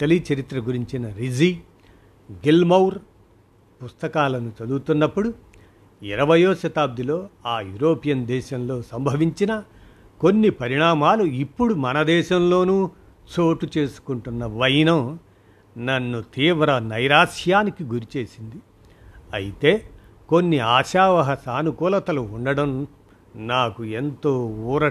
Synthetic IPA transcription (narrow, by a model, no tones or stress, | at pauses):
ʈɐlit͡ʃɐɾit̪ɾɐɡuɾiɲt͡ʃinɐɾid͡ʒi | ɡilmɐwɾ | pust̪ɐkaːlɐnut͡ʃɐd̪uɡut̪unːɐpːuɽu | iɾɐʋɐjoːʃɐt̪aːb̚d̪ʱilo̞ːaːjṵːɾoːpijɐnd̪ɛːʃɐmlo̞ːsɐmbʱɐʋiɲt͡ʃinɐ | ko̞nːipɐɾiɳaːmaːluipːuɽumɐnɐd̪ɛːʃɐmlo̞ːnuː | t͡ʃo̞ːʈut͡ʃe̞ːsu̥kuɳʈunːɐʋɐjnɐm | nɐnːut̪iːʋɾɐnɐjɾaːʂjaːnikiɡuɾit͡ʃe̞ːsind̪i | ɐ̰jit̪e̞ː | ko̞nːiaːʃaːʋɐɦɐsaːnukuːlɐt̪ɐluːɳɖɐɽɐm | naːkue̞nt̪o̞ːuːɾɐ